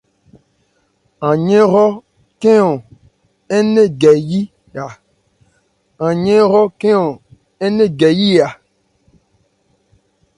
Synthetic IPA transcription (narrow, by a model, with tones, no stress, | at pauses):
ã˨ɲẽ˦ɾɔ˦ | ke˦ɔ̃˨ | ɛ˦nẽ˦ɡɛ˨ji˦ | a˨ | ã˨ɲẽ˦ɾɔ˦ke˦ɔ̃˨ | ɛ˦nẽ˦ɡɛ˨ji˦a˨